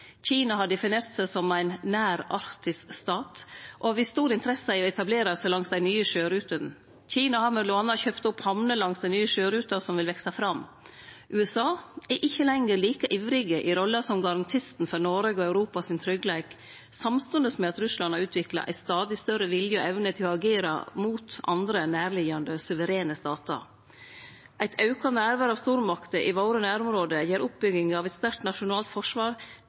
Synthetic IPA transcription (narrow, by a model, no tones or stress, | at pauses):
çiːnɑɦɑɖɛfɪneːɾt̪sæɪsɔmæɪnnæːɾɑɾt̪ɪskst̪ɑːt̪ʔoɑʋɪst̪uːɾɪnt̪əɾɛsəɪɔɛt̪ɑbleːɾɑsɛlɑŋsd̪æɪnyːəʃøːɾʉːt̪ən̩ | c͡çiːnɑhɑɾmɛlʊɑnɑçøːpt̪ʊphɑmnəlɑŋsd̪æɪnyːəʃøːɾʉːt̪ɑɾsɔmʋɪlʋɛksɑfɾɑm | ʔʉːɛsɑːɛʔɪçːəlɛŋəɾliːkəʔiːʋɾɪɡəʔɪɾɔlːɑsɔmɡɑɾɑnt̪ʰɪst̪n̩fɔɾnɔɾeɡɔɑʉɾuːpɑsɪnt̪ʰɾʏɡlæɪk | sɑmst̪ʉnd̪əsmɛɑt̪ɾʉslɑnɑɾʉːt̪ʰʋɪklɑ̰ʔæ̰ɪst̪ɑːd̪ɪst̪œɾəʋɪljəɔʔɛʋnət̪ʰɪlɔɑɡeːɾɑ̰muːt̪ʔɑ̰nd̪ɾənæːɾɭɪɡɑnd̪əsʉʋəɾeːnəst̪ɑːt̪ɑ̰ | ʔæɪt̪ʰɑʉkɑnæːɾʋæːɾɑːʋst̪uːɾmɑkt̪əʔɪʋoːɾənæːɾʊmɾoːd̪əjeːɾʊp̚bʏɡɪŋɑʋɛt̪st̪æɾʈ̪nɑʂʊnɑːlt̪fɔʂʋɑːɾ